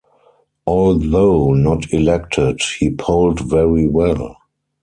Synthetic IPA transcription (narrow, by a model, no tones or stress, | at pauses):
ʔɔlðoʊnɔtʰilɛk̚tʰɪdhiːpʰoʊldvɛɹiwɛl